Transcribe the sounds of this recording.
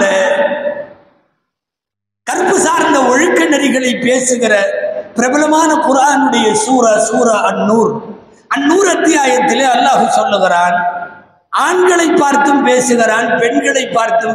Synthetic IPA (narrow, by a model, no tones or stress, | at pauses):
ɐ | kɐɾpɯsaːɾnd̪ɐɔɻɯkːɐnɐɾɪɣɐɭɐɪpːeːsɯɣɪɾɐpɪɾɐbɐlɐmaːnɐpʊɾaːnɯɽɐjɐsuːɾɐsuːɾɐʔɐnːuːɾ | ɐnːuːɾɐt̪ːɪjaːjɐt̪ːɪleːɐlːaːɣɯsɔlːɯɣɪɾaːn | ʔaːɳɡɐɭɐɪpːaːɾt̪ɯmpeːsɯɣɪɾaːnpɛɳɡɐɭɐɪpːaːɾt̪ɯm